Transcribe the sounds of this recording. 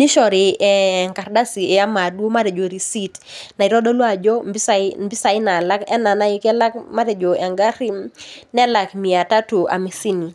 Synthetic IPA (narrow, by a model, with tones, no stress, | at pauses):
ni˦ʃɔ˨ɾɪ˨ɛ˨ŋka˨ɾda˦si˨e˨a˦ma˨dwo˦ma˦ɾɛ˨d͡ʒo˨ɾi˨si˦tna˨i˨ɾɔ˦ɗɔ˦lwa˦˨d͡ʒɔ˦mbsambi˦sa˨ɪ˦na˨la˦kɛ̰˦na˨na˦ɪ˦kɛ˦la˦kma˦ɾɛ˨d͡ʒo˨ɛ˨ŋɡa˦ɾi˦mnɛ˦la˨kmi˨a˨ta˦tu˨a̰˨mi˨si˦ni˨